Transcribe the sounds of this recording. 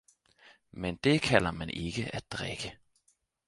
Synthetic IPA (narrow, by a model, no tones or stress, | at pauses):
mɛnd̪̥ekʰælɐmɛnʔɪɡ̥əʔæt̪̚d̪̥ʁɛ̰ɡ̥ə